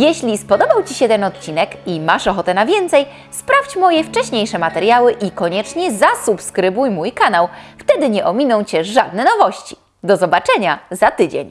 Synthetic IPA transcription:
jɛɕlʲispɔd̪ɔbawt͡ɕiɕɛt̪ɛnɔt̪̚t͡ɕinɛkimaʂɔxɔt̪ɛnavʲjɛnt̪sɛj | spɾaft͡ɕmɔjɛft͡ʂɛɕɲejʂɛmat̪ɛɾjawɘʔikɔɲɛt͡ʂɲɛzasupskɾɘbujmujkanawft̪ɛd̪ɘɲɛʔɔmʲinɔ̃w̃t͡ɕɛʐad̪̚nɛnɔvɔɕt͡ɕi̥ | d̪ɔzɔbat͡ʂɛɲazat̪ɘd͡ʑḛɲ

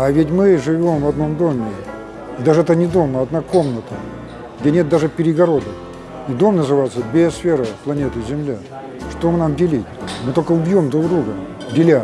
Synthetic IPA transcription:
avʲɪtʲmɨʐɨvʲo̞mvɐd̪no̞md̪o̞mʲɪ | id̪aʐɨɛt̪ənʲɪd̪o̞məɐd̪nako̞mnət̪ə | ɡ̥dʲenʲet̪̚d̪aʐɨpʲɪɾʲɪɡɐɾo̞d̪ək | id̪o̞mnəzɨvajɪt̪səbʲesfʲe̞ɾəplˠɐnʲe̞t̪ɨzʲɪmlʲa | ʂt̪omɨnamdʲɪlʲitʲmɨt̪o̞lʲkəʊbʲjo̞md̪ɾuɡd̪ɾuɡə | dʲɪlʲa

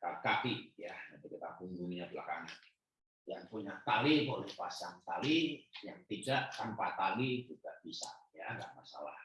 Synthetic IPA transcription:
kalkapijanant̪ikit̪apuŋɡuŋɲabila̰kaŋa | jaŋpuɲaʔt̪alibolɛhpasaŋt̪alijaŋpid͡ʒaʔkanpat̪alid͡ʒuɡaʔb̥isa̰jaŋɡa̰ʔmasa̰la̰h

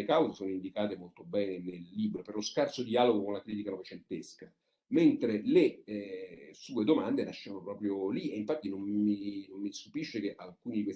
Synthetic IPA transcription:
ekawzesoːnoind̪ikaːt̪emolt̪obɛːnenelːiːbɾoperloskart̪sod̪iaːloɡokonlakɾiːt̪̬ikanovet͡ʃent̪eska | ment̪ɾele | suːed̪omand̪enaʃːeanopɾɔːpɾjolieiɱfat̪ːinomminomːist̪upiʃːekeʔalkuːnid̪ikwes

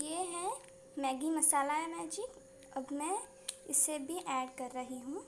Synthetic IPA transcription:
jeːɦɛ̃ | mɛːɡimɐsaːlaɦɛmɛːd͡ʒɪk | ɐbmɛ̃ | ɪsːebʱiʔɛːɖkɐɾːɐɦiɦũː

